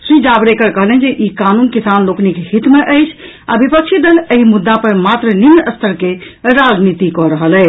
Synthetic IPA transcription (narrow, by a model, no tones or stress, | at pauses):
sɾĩd͡ʒabɾekəɾkəɦlɛnd͡ʒeʔikanunkisanloknikhit̪meʔəɪt͡ʃʰ | a̰bipəkt͡ʃʰid̪ələɦimud̪ːapəɾmat̪ɾəninːəst̪ʰəɾkeɾad͡ʒnit̪ikɔɾəɦəlɛ